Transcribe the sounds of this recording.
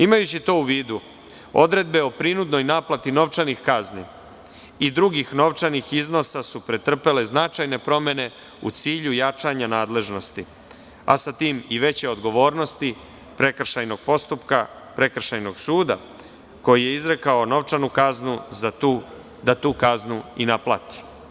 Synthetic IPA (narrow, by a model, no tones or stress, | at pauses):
imajut͡ɕit̪o̞ːuʋiːd̪u | o̞̰d̪ɾe̞d̪̚be̞o̞pɾinud̪no̞jnaːplˠat̪ino̞ʋt͡ʂanixkaznḭ | id̪ɾuɡixno̞ʋt͡ʂanixizno̞sasupɾe̞t̪r̩pe̞le̞znat͡ʃajne̞pɾo̞me̞ne̞ | ṵt̪siːʎujat͡ʂaɲanaːd̪le̞ʒno̞st̪i | a̰sat̪iːmiʋe̞t͡ɕe̞o̞d̪ɡo̞ʋo̞ːɾno̞st̪i | pɾe̞kr̩ʃajno̞ɡ̥̚po̞st̪upka | pɾe̞kr̩ʃajno̞ɡsuːd̪a̰ | ko̞jije̞izɾe̞kao̞no̞ʋt͡ʃanukaznuzat̪uː | d̪at̪uːkaznuinaplˠat̪i̥